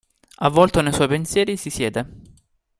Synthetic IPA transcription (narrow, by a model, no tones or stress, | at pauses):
avːɔlt̪onejswɔjpensjɛːɾisisjɛːd̪e